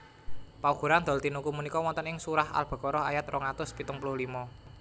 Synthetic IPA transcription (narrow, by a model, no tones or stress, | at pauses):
pauɡ̥ṳɾand̪ɔ̤lt̪inukumunikɔwɔnt̪ənɪŋsuɾaha̰lb̥ɔ̤kɔɾɔɦajat̪rɔŋat̪ʊspit̪ʊŋpulʊhlimɔ